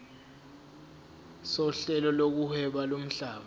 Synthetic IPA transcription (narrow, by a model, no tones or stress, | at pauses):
sɔɬɛlɔlok̬uhɛɓalom̩ɬaːɓa